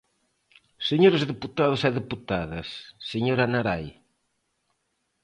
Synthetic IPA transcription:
seɲoɾezðeput̪aðʊsɛðeput̪aðɐsːeɲoɾanaɾaj

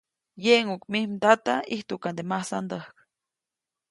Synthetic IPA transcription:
jeʔŋukmihmt̪at̪aiht̪ukand̪emahsa̰nd̪əhk

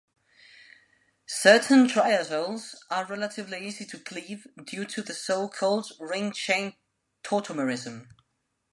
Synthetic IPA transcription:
sɜˑʔn̩tʰɹ̥aɪəzəʊlˠz̥ʔəɹɛlətʰɪvliiːzitʰəɡʰliːvdjʉːtʰəðəsoʊkʰɔːlˠdɹɪ̃ŋt͡ʃʰẽɪ̃n | tʰɔˑtʰəməɹɪzə̃m

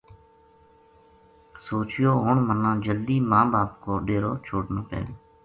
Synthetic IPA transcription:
soːt͡ʃɪjoːɦoːɳmənːãːd͡ʒəld̪iːmãːbaːp̚koːɖeːɾoːt͡ʃʰoːʈnãːpɛ̰ːd̪oː

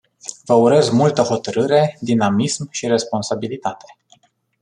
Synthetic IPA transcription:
vəuɾe̞zmult̪əho̞t̪əɾɨɾe̞d̪inamismʃiɾe̞spo̞nsabilit̪at̪e̞

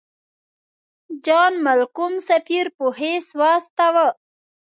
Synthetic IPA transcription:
d͡ʒɑːnmalkumsafiɾpuɦeswɑːst̪awə

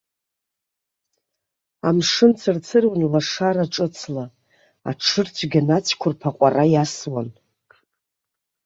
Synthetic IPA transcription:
amʂɨnt͡sʰɨrt͡sʰɨrwanlaʂaɾaʈ͡ʂʼɨt͡sʰla | a̰ʈ͡ʂʰɨrt͡ɕʷʰɡʲanat͡ɕʷʰkʷʰʊrpʰaqʷʼarajaswan

